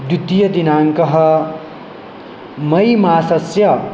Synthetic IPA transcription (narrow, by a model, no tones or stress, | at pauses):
d̪ut̪ːijʌd̪inaŋkʌɦʌ | mʌjmaːsʌsjʌ